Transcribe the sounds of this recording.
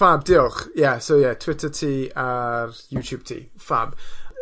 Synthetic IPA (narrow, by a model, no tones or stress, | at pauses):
fabdiɔχjɛsowjɛtʰw̥ɪtʰətʰiːarjuːtʰjuːb̥̚tʰḭː | fa̰b̥